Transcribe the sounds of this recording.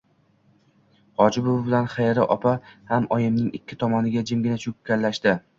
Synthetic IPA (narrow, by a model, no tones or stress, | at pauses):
ɒd͡ʒɪbʊvbɪlanχajɾɪʔɒpʰahamɒjɪmnɪŋɪkʲʰːɪt̪ʰɒmɒnɪɡʲad͡ʒɪmɡʲɪnat͡ʃʰʊkʲːalːaʃd̪ɪ